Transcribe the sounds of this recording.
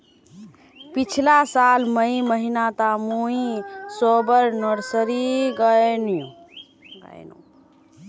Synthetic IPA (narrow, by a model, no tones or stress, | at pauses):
pit͡ʃʰlasalməiməɦinat̪amuĩsobəɾnəɾsəɾiɡənjṵ̃ | ɡə̰jnṵ̃